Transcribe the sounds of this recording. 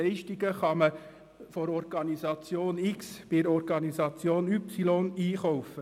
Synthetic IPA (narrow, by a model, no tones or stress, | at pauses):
ɛɪʃtiɡəχɑmə | fɔɾɔɾɡ̥ɑnisɑt͡sjoːnɪksb̥ɪɾɔɾɡɑnisɑt͡sjoːnypsilɔniːχɔwfə